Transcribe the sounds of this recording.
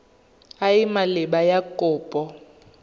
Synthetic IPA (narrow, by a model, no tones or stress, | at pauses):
ajimalɪɓajakʼʊːpʼɔ